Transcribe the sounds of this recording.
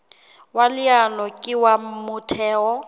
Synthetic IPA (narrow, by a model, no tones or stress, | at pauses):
walɪanɔkʼɪwamʊtʰɛːɔ